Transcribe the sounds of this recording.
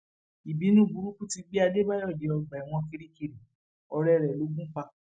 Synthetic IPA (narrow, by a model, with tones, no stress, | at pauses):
i˨bi˨˦nũ˦˨ɡu˨˦ɾu˦kũ˦ti˧ɡ͡bi˦a˧de˦ba˦jɔ˦˨de˨˦ɔ˧ɡ͡ba˨i˨w̃ɔ̃˧ki˧ɾi˦ki˨ɾi˨ | ɔ˧ɾɛ˦˧ɾɛ˨lo˨˦ɡũ˦k͡pa˧